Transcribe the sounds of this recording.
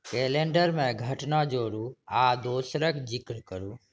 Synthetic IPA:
keːlẽːɳɖəɾmẽɡʱəʈnad͡ʒoːɾuːaːd̪oːsɾəkd͡ʒɪkɾkəɾuː

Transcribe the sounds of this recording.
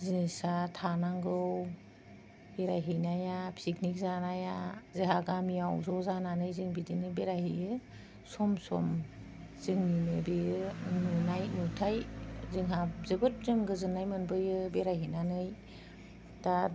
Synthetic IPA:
zinsatʰanaŋɡɯw | beɾajɦejnajapʰsiknik̚zanajazeɦaɡamijawzɔzananɯjzɯŋbidinɯbeɾajɦejɯ | sɔmsɔ̰m | z̥ɯŋninɯbejɯnunajnutʰajzɯŋɦazɯbɯt̚zɯŋɡɯzɯnːajmɯnbɯjɯbeɾajɦenanɯj | ta

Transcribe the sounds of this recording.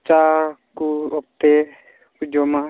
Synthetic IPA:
t͡ʃakuɔk̚t̪e | kud͡ʒoma

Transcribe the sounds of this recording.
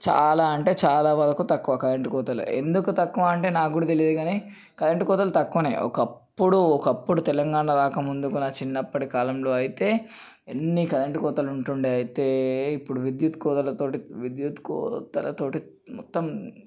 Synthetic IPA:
t͡ʃa̰ːlaːɐɳʈe̞ːt͡ʃaːlaːʋɐd̪ɐkut̪ɐkːuʋɐkɐleɳʈikɔːt̪ɐlṵe̞̰nd̪ukut̪ɐkːuʋaɐɳʈe̞ːnaːɡuːɽɐt̪̬elijɐd̪uɡaːni | kɐlɐɳʈikɔːt̪ɐlut̪ɐkːuʋɐnḛːʔɔ̰kɐpːuɽuɔkɐpːuɽut̪ɛlɐŋɡaːɳɐɾaːkɐmund̪ukunɐt͡ʃinːɐpːɐʈikaːlɐmlo̞ːɐjit̪e̞ː | enːikɐlɐɳʈikɔːt̪ɐluɳʈuɳɖiɐjit̪e̞ːipːuɽuʋid̪jut̪kɔːt̪ɐlɐt̪oːʈiʋid̪jut̪kɔ̰ːt̪ɐlɐ̰t̪o̞ːʈi | mɔt̪ːɐm

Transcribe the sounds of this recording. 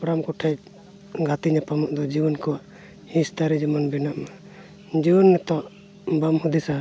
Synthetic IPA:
pɾamkɔʈʰɛ | ɡat̪iɲapamɔʔd̪ɔd͡ʒibɔnkɔwaʔ | hĩst̪aɾɛd͡ʒimɔnbɛnaʔma | d͡ʒibɔnːɛt̪ɔʔ | bamhud̪isa

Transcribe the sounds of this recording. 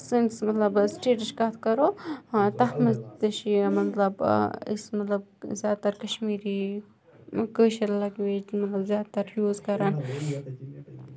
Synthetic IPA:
sənʈsmɐt̪lɐbsʈeːʈəʃkɐt̪ʰkɐɾoːt̪ɐɦmɐt̪əʃimɐt̪lɐbḭsmɐt̪lɐb̚zʲjaːd̪̚t̪ɐɾkɐʃmiːɾi | kəːʃɐɾlɐɡʋeːd͡ʒmɐt̪lɐbzʲjaːd̪t̪ɐɾhjuːzkɐɾan

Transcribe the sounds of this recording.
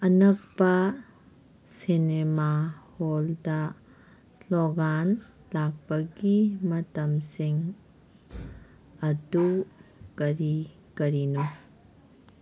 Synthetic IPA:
ɐnɐk̚pɐ | sinemaholdɐ | sloɡan | lak̚pɐɡimɐtɐmsiŋ | ɐdukɐɾi | kɐɾino

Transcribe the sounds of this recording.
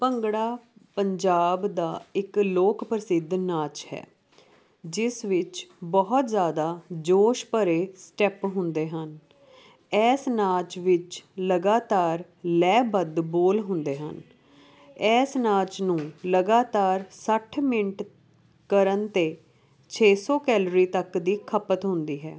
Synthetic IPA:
pəŋɡɽaːpəɲd͡ʒaːbd̪aːɪkloːkpɾəsɪd̪naːt͡ʃhɛ̰ː | d͡ʒɪsʋɪt͡ʃbɔɦt̪zjaːd̪aːd͡ʒoːʃpəɾeːsʈɛpɦʊ̃nd̪eːɦən | ɛːsnaːt͡ʃʋɪt͡ʃləɡaːt̪aːɾ | lɛːbəd̪boːlɦʊnd̪eːɦə̰n | ɛːsnaːt͡ʃnũːləɡaːt̪aːɾsəʈʰmɪɳʈ | kəɾənt̪eː | t͡ʃʰeːsɔːkɛːlɾiːt̪əkd̪iːkʰəpət̪ɦʊnd̪iːɦɛ̰ː

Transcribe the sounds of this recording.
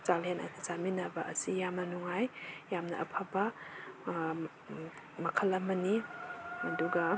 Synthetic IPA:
zalenɐ̰nʰizaminɐbɐʔɐsijamnɐnuŋajjamnɐ̰ʔɐ̰pʰabɐ | mɐkʰɐlːɐmɐniɐduɡɐ

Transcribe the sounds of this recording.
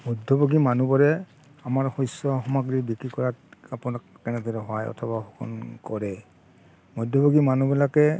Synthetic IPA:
mɔjdʱːɔbɔɡimanubɔɹɛ | amaɹxɔjsɔxɔmaɡɹibikɹikɔɹat̚apʊnakːɛnɛdɔɹɛɦɔajɔ̰tʰɔbaxukʰɔ̰nkɔɹɛ | mɔjdʱːɔbɔɡimanubilakɛ

